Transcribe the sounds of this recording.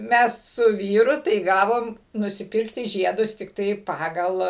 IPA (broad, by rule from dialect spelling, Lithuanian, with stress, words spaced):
ˈmʲɛs sʊ ˈʋʲiːrʊ tɐɪ ˈɡɑːʋoːm nʊsʲɪˈpʲɪrktʲɪ ˈʒʲiɛdʊs tʲɪkˈtɐɪ ˈpɑːɡɐlˠ